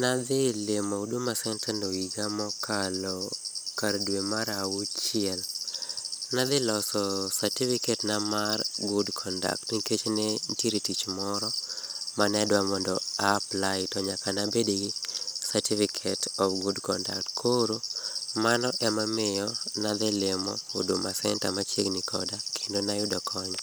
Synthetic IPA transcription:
nad̪ɪlemoudumasɛntɛnoiɡamɔkʰalɔkardwemaɾawut͡ʃɪɛl | nad̪ɪlɔsɔsatifiketnamarɡudkʰɔnda̰ktniket͡ʃnenteɾitit͡ʃmɔɾɔmanɛdwamɔndɔaplaɪtɔɲakanabediɡisatifikʰetʰɔfɡudkɔ̰nda̰k̚tkʰoɾomanɔʔɛmamɪjɔnad̪ɪlemɔ̰odomasɛnta̰mat͡ʃjeɡnikʰɔdakʰendonajʊdɔkʰɔɲ

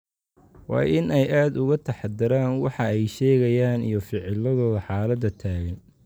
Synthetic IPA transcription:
wɑ̰ːjɪnɛjʔaːd̪ʊɣɐt̪ʰɐħɑd̪ɪɾaːnwɑħɑɛjʃɛːɣɐjaːnḭjɞfɪʕɪlɐðɔːðɐħɑːlɐd̪ɐt̪ʰaːɣɐn

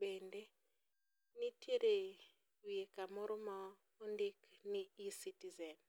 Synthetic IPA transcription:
bende | nitjeɾe | wiekamɔɾɔma | ondikniisitizɛn

